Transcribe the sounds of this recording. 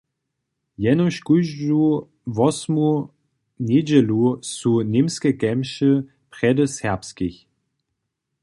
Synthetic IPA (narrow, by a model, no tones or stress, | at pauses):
jɛnɔɕkuʒu | vɔsmu | ned͡ʑɛlusunemskɛkɛmʃə | pʁ̥ɛdəsɛɐpskiç